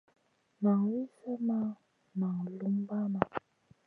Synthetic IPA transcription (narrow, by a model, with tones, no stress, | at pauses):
ma˨ŋ˨wi˦sə˦ma˦ | ma˨ŋ˨lu˦m˦ba˦ma˨